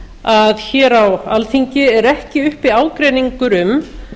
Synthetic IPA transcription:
aðçɛːɾawalθiɲcɪɛɾɛhcɪʏhpiaːwkɾɛːniŋkʏɾʏm

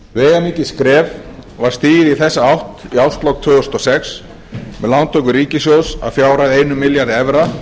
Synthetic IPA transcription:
veːjɣamiːcɪskɾɛːvvaɾ̥st̪iːjɪðiθɛsːaawht̪iawst̪lɔk̚t̪ʰvʏːɣʏst̪ɔsɛks | mɛðlant̪ʰowkʏɾiːcɪsjowsa̰wfjaːwɾajðejnʏmɪljaɾðɛvɾa

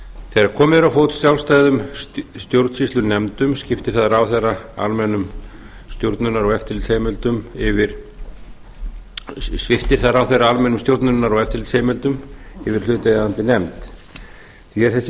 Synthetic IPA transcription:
θejaɾkʰɔːmɪðɾawfowt̪sjawlst̪aːjðʏmst̪jowɾt̪sist̪ʏnɛmt̪ʏmscɪft̪ɪ̥ɾ̥θaðaɾawθerːaa̰lmɛnːʏm | st̪jowɾt̪nʏnaɾɔɣɛft̪ɪɾlt̪shejmɛlt̪ʏmɪvɪɾ̥ | svɪft̪ɪ̥θaðɾawθejraalmɛnʏmst̪jowɾt̪nʏnːaɾɔɣɛft̪ɪɾlt̪sheːjmɛlt̪ʏmɪvɪɾ̥l̥ʏːt̪aant̪ɪnɛmt̪ | θiɛɾ̥θɛs

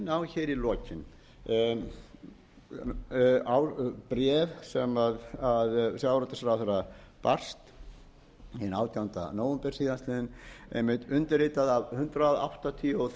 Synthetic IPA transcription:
nawçejɾilɔːcɪn | awpɾɛːvsɛmaðaðsjawɾat̪ɪsɾaθeɾa | par̥st̪ | inaːwt̪ʰjawnt̪a̰noːwɛmpɛr̥siːðanst̪lɪðɪnḛjmɪt̪ʏnt̪ɪɾrɾeːt̪aðavhʏnt̪ɾaða̰wht̪at̪ʰiɔ

